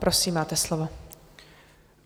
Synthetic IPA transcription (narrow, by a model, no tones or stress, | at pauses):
pɾosiːmːaːt̪ɛslovo